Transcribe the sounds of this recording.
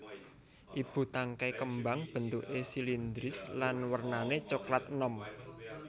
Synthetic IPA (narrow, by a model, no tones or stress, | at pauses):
ʔib̥ṳt̪aŋkajkəmbaŋb̥ə̤nt̪uʔesilind̪ɾɪslanwərnanet͡ʃoklat̪̚nɔm